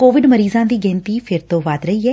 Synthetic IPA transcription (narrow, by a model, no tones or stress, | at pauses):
koːʋɪɖməɾiːzãːd̪iːɡɛ̃ːnt̪iːpʰɪɾt̪õːʋaːt̪ɾəiːɛː